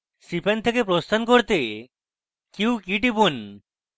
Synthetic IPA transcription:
sipʰent̪ʰekep̬ɾost̪ʰankoɾt̪e | kiwkiʈibun

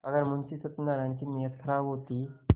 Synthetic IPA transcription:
əɡəɾmunsiːsət̪naɾjãɲt͡ɕiːnijət̪ʰɾaʋɦot̪iː

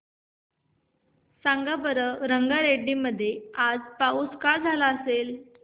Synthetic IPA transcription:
saŋɡabəɾəɾəŋɡaɾeɖiməd̪ʱːjead͡zpauːskad͡zʱalaəsel

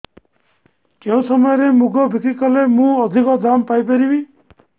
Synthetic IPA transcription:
keɦũsɔmɔjɔɾemuɡɔbʱikɾikɔlemũɔd̪ʱikɔd̪ampajpeɾibi

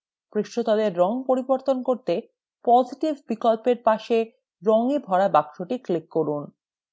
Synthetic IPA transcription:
pɾiʃʈot̪ɔd̪eɾːɔŋpoɾiboɾt̪onkoɾt̪e | pɔd͡ʑiʈibbikolpeɾpaʃe | ɾɔŋebʱɔɾabakʃoʈiklikːoɾun

